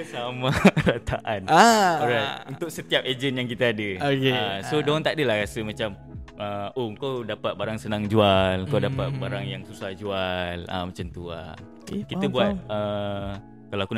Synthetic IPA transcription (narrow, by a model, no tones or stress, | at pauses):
samaɾat̪ʰaʔanaoɾaunt̪ʊk̚sət̪iap̚ed͡ʒənjaŋkit̪aadəokeasodɔŋt̪aʔdəlahɾasəmat͡ʃam | əoəŋkawdapat̪̚baɾaŋsənaŋd͡ʒualəŋkawdapat̪̚baɾaŋjaŋsusahd͡ʒuala̰mat͡ʃamt̪ua̰ | kiəbuat̪ə | kalawaku